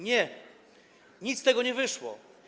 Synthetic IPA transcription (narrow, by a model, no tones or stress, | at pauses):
ɲɛ | ɲit̪st̪ɛɡɔɲɛvɘʂwɔ̰